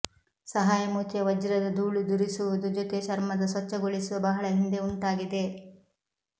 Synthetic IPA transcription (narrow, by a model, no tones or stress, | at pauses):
sɐɦaːjɐmuːt̪jɐʋɐd͡ʒiɾɐd̪ɐd̪uːɭud̪uɾisuʋud̪ud͡ʒɔt̪e̞ʃɐɾmɐd̪ɐsʋɐt͡ʃːɐɡoɭisuʋɐbɐɦɐɭɐɦind̪e̞uɳʈaːɡid̪e̞